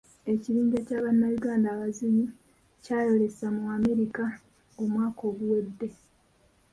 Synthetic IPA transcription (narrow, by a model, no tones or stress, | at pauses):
e̞ciɾiːɲɟacaːβanːajuɡaːndaːβaziɲi | caːjo̞le̞samuaːme̞ɾika | omwaːko̞ːɡuwedːe̞